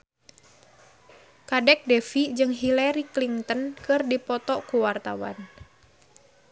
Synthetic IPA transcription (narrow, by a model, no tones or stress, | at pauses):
kadɛk̚dɛfid͡ʒɨŋɦilaɾikliŋt̪ənkɨrdipɔt̪ɔkuwart̪awa̰n